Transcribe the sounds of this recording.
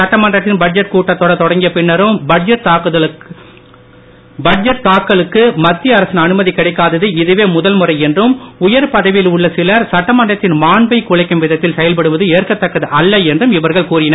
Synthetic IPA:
sɐʈːɐmɐndrɐt̪ːɪnbɐɖ̚d͡ʒɐʈ̚kuːʈːɐt̪ːoːɽɐt̪ɔɽɐŋɡɪjɐpɪɳːɐɾɯmbɐd͡ʒɐʈaːkːɐ | bɐd͡ʒɐʈ̚t̪aːkːɐɭɯkːɯmɐt̪ːɪjɐɐɾɐsɪnɐnɯmɐðikːɪɽɐɪkːaːðɐðɯɪðɯʋeːmʊðɐlmɯrɐɪɛndrɯmʊjɐɾpɐðɐʋɪlʊɭːɐsɪlɐɾsɐʈːɐmɐndrɐt̪ːɪnmaːɳbɐɪkːuːɭɐɪkːɯmʋɪðɐt̪ːɪlsɛjɐlpɐɽɯʋɐðɯeːrkɐt̪ːɐkːɐðɯʔɐlːɐɛndrɯmɪʋɐɾɣɐɭkuːrɪnɐɾ

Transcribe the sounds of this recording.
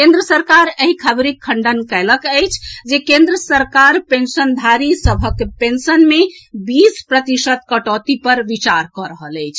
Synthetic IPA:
kẽnd̪ɾəsəɾkaɾəɦikʰəbɾikʰːəɳɖənkələkəjt͡ʃʰd͡ʒekẽnd̪ɾəsəɾkaɾpensənd̪ʱaɾisəbʱəkpensənmebispɾət̪isət̪̚kəʈɔt̪ipəɾʋit͡ʃaɾkɔɾəɦələjt͡ʃʰ

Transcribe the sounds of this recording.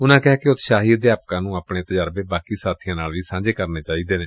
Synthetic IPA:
ʊnãːkɛːkɪʊt̪ʃaːɦiːd̪eːaːp̚kãːnũːaːpɳeːt̪əd͡ʒaːɾbeːbaːkiːsaːt̪ʰijãːnaːlʋiːsãːd͡ʒeːkəɾneːt͡ʃaːiːd̪eːneː

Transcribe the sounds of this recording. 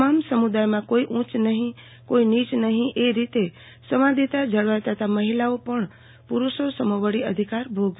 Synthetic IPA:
mamsəmud̪ajmãkoiʔũt͡ʃnəɦĩ | koinit͡ʃnəɦĩʔeɾit̪e | səmãd̪ʱit̪ad͡ʒəɭʋajt̪ət̪ʰaməɦilaopəɳ | puɾuʃosəməʋəɽiəd̪ʱikaɾbʱoɡ

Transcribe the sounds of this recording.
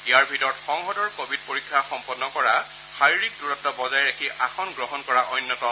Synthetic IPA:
ijaɹbʱitɔɹɔtxɔŋxɔdɔɹkobit̚poɹikʰːaxɔmpɔnːɔkɔɹa | xaɹiɹik̚duɹɔtːɔbɔzajɹakʰiʔaxʰɔnɡɹɔɦɔnkɔɹaʔɔjnːɔtɔ

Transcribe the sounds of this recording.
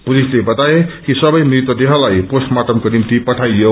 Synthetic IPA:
pulislebʌt̪aekisʌbʌjmɾit̪wʌd̪eɦʌlajposʈmaʈ̪ʌmkonimt̪ipʌʈʰajjo

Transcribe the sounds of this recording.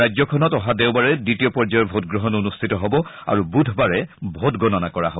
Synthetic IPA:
ajd͡ʑzɔkʰɔnɔtɔɦadeʊbaɹɛditiɔpɔɹd͡ʒajɔbʱotɡɹɔɦɔnonustʰitɔɦɔbɔa̰ɹubudʱbaɹɛbʱotɡɔnɔnakɔɹaɦoɔ

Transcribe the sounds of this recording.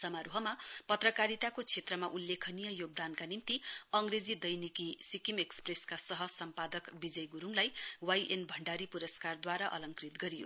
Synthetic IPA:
sʌmaɾuɦʌmapʌt̪rʌkaɾit̪akot͡sʰet̪rʌmaʔulːekʰʌnijʌjoɡ̚d̪ankanimt̪iʌŋɡred͡zid̪ʌjnikisikimekspreskasʌɦʌsʌmpad̪ʌkbid͡zʌjɡuɾuŋlajwajʔenbʱʌɳɖaɾipuɾʌskard̪waɾaʔʌ̰lʌŋkrit̪ɡʌɾijo̰

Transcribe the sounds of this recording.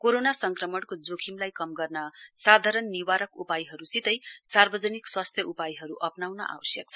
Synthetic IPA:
koɾonasʌŋkrʌmʌɽkod͡zokʰimlajkʌmɡʌrnʌsad̪ʱaɾʌnːiwaɾʌkupajɦʌɾusit̪ʌjsarbʌd͡zʌnikswast̪ʰjʌʔupajɦʌɾuʔʌpnawnʌʔa̰wʌsjʌk̚t͡sʰʌ

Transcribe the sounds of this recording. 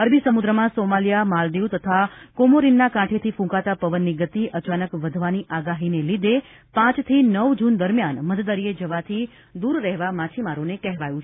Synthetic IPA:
əɾbisəmud̪ɾəmãsomalijamald̪iwt̪ət̪ʰakomoɾinːakãʈʰet̪ʰifũkat̪apəʋənːiɡət̪iʔət͡ʃanəkʋəd̪ʱʋaniʔaɡaɦinelid̪e | pãt͡ʃt̪ʰinəʋd͡ʒund̪əɾmjanmət̪d̪əɾied͡ʒəʋat̪ʰi | d̪uɾːɛɦʋamat͡ʃʰimaɾonekɛɦʋajũt͡ʃʰ

